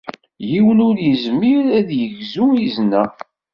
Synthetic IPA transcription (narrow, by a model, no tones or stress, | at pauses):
jiwənʊɾjəzmiɾæðjəʝzuiznːæ